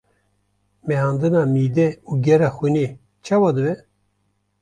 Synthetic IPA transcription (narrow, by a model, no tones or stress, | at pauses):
mɛhɑːnd̪ɨnɑːmiːd̪ɛuːɡɛɾɑːxune | t͡ʃʰɑːwɑd̪ɨbɛ